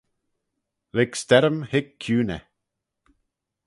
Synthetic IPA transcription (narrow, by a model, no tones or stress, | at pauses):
lɪkst̪ɛɾəmhɪkʰːjuːnɛ̰